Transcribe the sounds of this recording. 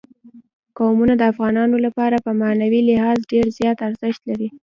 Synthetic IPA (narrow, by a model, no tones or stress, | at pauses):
kɑwmunad̪əafɣɑnɑnolapɑɾapəmanawilɪhɑzɖeɾzjɑt̪aɾzəʃt̪laɾi